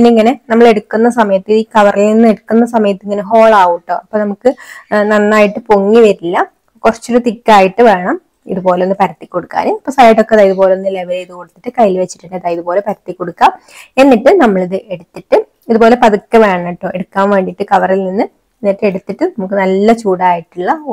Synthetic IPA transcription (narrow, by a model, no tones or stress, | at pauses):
pinːiŋːɐne̞nɐmːɐɭe̞ɽukːunːɐsɐmɐjɐt̪ːiðiːkɐʋɐrilninːeɽukːunːɐs̬ɐmɐjɐt̪ːiŋːɐneɦo̞ːɭaːʋuʈːoːɐpːoːnɐmukːɨnɐnːaːjiʈːɨpoŋːiʋɐɾilːɐ | kurɐt͡ɕːuɾut̪ikʲːaːjiʈːɨʋe̞ːɳɐm | ḭðupo̞ːlenːɨpɐɾɐt̪ːikʲːo̞ɽukːa̰ːnuɐpːosɐjʈːo̞kːeɐðaːiðupo̞ːleonːɨleʋɐleiðɨkoɽut̪ːiʈːɨkɐjilʋet͡ɕːi̥ʈːeɳɖɨɐðaːiðupo̞ːle̞pɐɾɐt̪ːikʲːoɽukːaːm | e̞nːiʈːɨnɐmːɐɭiðɨʔeɽut̪ːiʈːɨ | iðupo̞ːle̞pɐðukːɐʋe̞ːɳːɐʈːoːeɽukːaːmʋeɳɖiʈːɨkɐʋɐrilninːɨ | nːiʈːeɽut̪ːiʈːɨnɐmukːɨnɐlːɐt͡ɕuːɽaːjiʈːuɭːɐ